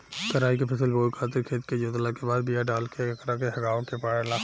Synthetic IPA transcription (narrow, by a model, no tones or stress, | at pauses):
k̪əɾaːikepʰɐsəlboːjkʰaːt̪̬ɪɾkʰeːt̪ked͡ʒoːt̪lakebaːd̪̚bijaɖaːlkeɐkɾakeɦɐɡaːõkepaːɽelaː